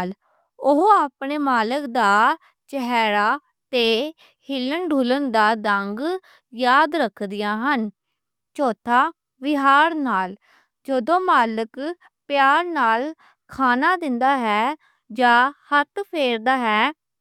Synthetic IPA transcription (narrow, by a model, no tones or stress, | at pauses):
l | ʊɦoaːpɳeːmaːləkd̪aː | t͡ʃəɦɛːɾaː | t̪eː | hɪlənɖʱulənd̪aːd̪əŋɡ | jaːd̪ɾəkʰːd̪ɪjãːɦən | t͡ʃoːt̪ʰaː | ʋɪɦaːɾnaːl | d͡ʒəd̪õːmaːlək | pɪjaːɾnaːl | kʰaːnaːd̪ɪnd̪aːɦɛː | d͡ʒaːhət̪pʰeːɾd̪aːɦɛː